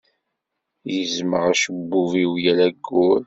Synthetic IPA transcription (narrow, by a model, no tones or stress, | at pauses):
jəzməʁæʃəbːuviwjælæɡːʊɾ